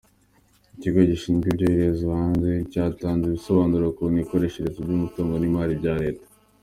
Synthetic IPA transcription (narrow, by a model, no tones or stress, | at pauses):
iciɡo̞ɟiʃiːnɡibɟoiɾezuhaːnze̞caːtaːnziβiso̞βaːnuɾokuŋiko̞ɾe̞ʃeɾezibɟumutoːŋɡonimaːɾibɟaːɾe̞ːtḁ